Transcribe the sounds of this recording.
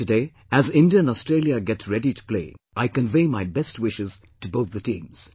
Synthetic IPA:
ɨdeɪ | ɨzɪ̃ndiɨ̃nɔstɹ̥eɪlˠjɨɡɛtsɹɛɾitʰu̥pl̥ḛɪʔaɪkə̃nveɪmaɪbɛst̚wɪʃɨz̥ | tɨboʊt̪̚ðɨtĩːmz̥

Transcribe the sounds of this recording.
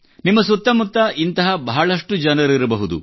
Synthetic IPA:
nimːɐsut̪ːɐmut̪ːɐʔint̪ɐɦɐbɐɦɐɭɐʂʈud͡ʒɐnɐɾiɾɐbɐɦud̪ṵ

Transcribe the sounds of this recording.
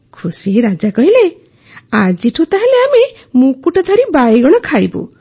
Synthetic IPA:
kʰusieɾad͡ʒakɔɦile | ad͡ʒiʈʰut̪aɦeleame | mũkuʈɔd̪ʱaɾibajɡɔɽ̃ɔkʰajbṵ

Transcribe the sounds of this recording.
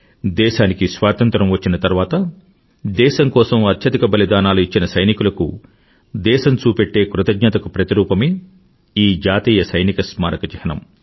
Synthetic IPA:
d̪ɛːʃaːnikisʋaːt̪ɐnt̪ɾɐmʋɐt͡ʃːinɐt̪ɐɾʋaːt̪ɐ | d̪ɛːʃɐŋkɔːsɐmɐt̪ʰjɐd̪ikɐbɐlid̪aːnaːluit͡ʃːinɐsɐjnikulɐku | d̪ɛːʃɐnt͡ʃuːpeʈːe̞ːkɾut̪ɐɡnɐt̪ɐkupɾɐt̪iɾuːpɐme | iːd͡ʒaːt̪iːjɐsɐjnikɐsmaːɾɐkɐt͡ʃɐhɐnɐ̰m

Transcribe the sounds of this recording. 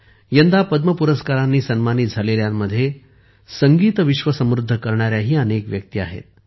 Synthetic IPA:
jənd̪ʱapəd̪məpuɾəskaɾanːiːsənmanit̪̚d͡zʱaleljamːəd̪ʱːje | səŋɡiːt̪əʋiɕʋəsəmɾud̪ʱːəkəɾɳaɾjaɦiːənekʋjək̚t̪iaɦḛt̪̚

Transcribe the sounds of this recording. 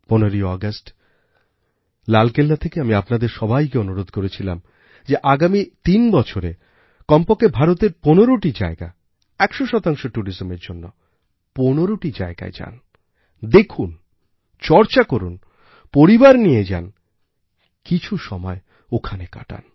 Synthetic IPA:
ponoɾiɔɡasʈ | lalkelːat̪ʰekeamiapnad̪eɾʃɔbʱajkeonuɾod̪ʱkoɾet͡ɕʰila̰m | d͡ʑeʔaɡamit̪inbɔt͡ɕʰoɾe | kɔmpokebʱaɾot̪eɾponeɾoʈid͡ʑaeɡa̰ | ɛkʃoʃɔt̪aŋʃoʈuɾizomeɾd͡ʑonːo | ponoɾoʈid͡ʑa̰eɡa̰ed͡ʑa̰n | d̪ekʰun | t͡ɕɔɾt͡ɕakoɾun | poɾibaɾnijed͡ʑa̰n | kit͡ɕʰuʃɔmɔe | okʰaneka̰ʈa̰n

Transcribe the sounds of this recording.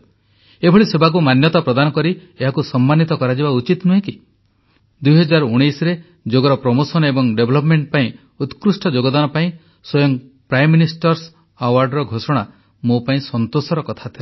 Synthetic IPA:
ebʱɔɭisebʱak̬umanjɔt̪apɾɔd̪anɔkɔɾi | eɦakusɔmːanːit̪ɔkɔɾad͡ʒibaut͡ʃit̪nuɦẽki | d̪ujɦɔd͡ʒaɾuɽ̃ejsɔɾe | d͡ʒoɡɔɾɔpɾɔmosɔnebɔŋɖebʱlɔp̬meɳʈ̚paĩ | ut̪kɾusʈɔd͡ʒoɡɔd̪anɔpaĩ | sɔjɔŋpɾajmːinisʈɔɾs | awaɾɖɾɔɡʱosɔɽ̃a | mopaĩsɔnt̪osɔɾɔkɔt̪ʰat̪ʰile

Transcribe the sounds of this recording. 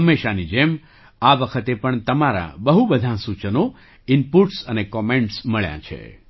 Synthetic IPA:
ɦəmːeʃanid͡ʒem | aʋəkʰət̪epəɳt̪əmaɾa̰bəɦubəd̪ʱasut͡ʃəno | ɪmpuʈsənekɔmeɳʈsməɭja̰t͡ʃʰḛ

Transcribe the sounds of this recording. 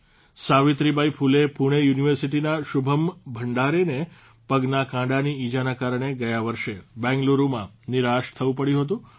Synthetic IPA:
saʋit̪ɾibaipʰulepuɽ̃ejuniʋəɾsiʈinaʃubʱəmbʱəɳɖaɾene | pəɡnakãɖaniid͡ʒanakaɾɳ̃eɡəjaʋəɾʃebɛ̃ŋɡloɾumã | nɪɾaʃt̪ʰəʋũpəɽjũɦət̪ũ

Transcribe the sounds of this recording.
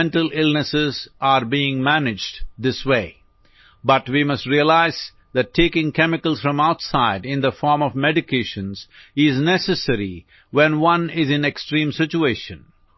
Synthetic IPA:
ɛ̃nʈəlɪlnəsɪzʔaɾbiɪ̃ŋmænɪd͡ʒɖd̪ɪsweɪː | bʌʈwimʌsʈɾiəlaɪz̥ | ðæʈʰːeːkɪ̃ŋkɛmɪkəlz̥fɾʌ̃maʊtsaɪɖɪ̃nd̪əfɔːɾmɔvmɛɖɪkʰeːʃə̃nz̥ɪznɛsɨsəɾi | wɛ̃nwʌ̃nɪzɨ̃neksʈɾĩːmsɪt͡ʃueʃə̃n

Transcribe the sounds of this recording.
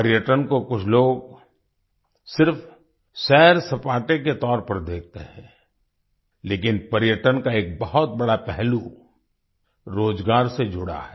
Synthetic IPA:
pəɾjəʈənkokʊt͡ʃʰloːɡ | sɪɾf | sɛːɾsɐpaːʈẽk̬et̪ɔːɾpɐɾd̪eːk̚t̪eɦɛ̰̃ː | leːkɪnpɐɾjəʈənkaeːk̚bɐɦʊt̪̚bɐɽapɛɦlu | ɾoːd͡ʒɡaːɾsed͡ʒʊɽa̰ɦɛː

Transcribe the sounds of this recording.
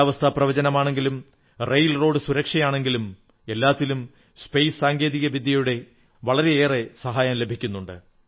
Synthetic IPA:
aːʋɐst̪ʰaprɐʋɐd͡ʑɐnɐmaːɳe̞ŋɡilum | rejlro̞ːɽɨsuɾɐkʂɐjaːɳe̞ŋɡilum | e̞lːaːt̪ːilum | spejssaːŋɡe̞ːðiɣɐʋid̪ʱjɐjuɽe̞ | ʋɐɭɐɾe̞eːresɐɦaːjamle̞bʱikʲːunːuɳɖɨ

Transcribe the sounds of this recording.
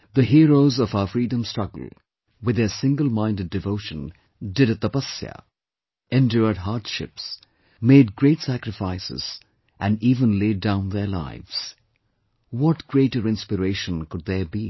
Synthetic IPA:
ðəɦiːɾoʊzɔvaʊəfɹiːdə̃mstɹ̥ʌɡə̰l̩ˠ | wɨðəsɪ̃ŋɡəl̩ˠmãɪ̃ndɨd̚ɨvoʊʃə̃n | dɨɾɨt̪əpʌsjə̰ | ɛ̃ndjʊɹd̚ɦaːdʃɪ̰ps | meɪd̚ɡɹeɪtsækɾɨfaɪsɪ̰z̥ | ʔæ̃niːvə̃nleɪdãʊ̃nðə˞la̰ɪvz̥ | wɔtɡ̥ɹeɪɾəɾɪ̃nspɨɾeɪʃə̃nkʊd̪̚ðəbi

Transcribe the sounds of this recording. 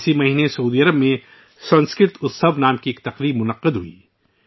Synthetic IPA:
simɐɦiːnesɐuːd̪iːɐɾəbmẽ | sɐ̃nskɾɪt̪ʊt̪sɐbnaːmkieːk̚t̪ɐqɾiːbmʊnɐqɪd̪ɦuḭː

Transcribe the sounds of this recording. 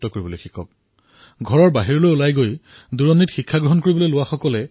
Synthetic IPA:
tɔkoɹibolojxikʰɔk̚ | ɡʱɔɹɔɹbaɦiɹɔlojolajɡojduɹɔnːitxikʰːaɡɹɔɦɔnkoɹibɔlojlʊwaxɔkɔlɛ

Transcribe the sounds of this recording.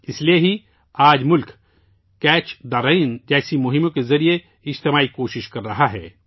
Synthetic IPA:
ɪslieɦi | aːd͡ʒmʊlk | kɛːt͡ʃd̪aːɾaind͡ʒɛːsimʊɦɪmõkezɐɾie | ɪd͡ʒt̪emaːikoːʃɪʃkɐɾːɐɦaɦɛ̰ː

